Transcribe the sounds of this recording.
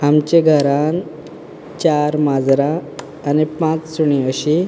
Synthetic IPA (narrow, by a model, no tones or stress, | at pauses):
amt͡ɕẽɡʱəɾãn | t͡ɕaɾmad͡zɾaː | nipãt͡ssuɳiəɕi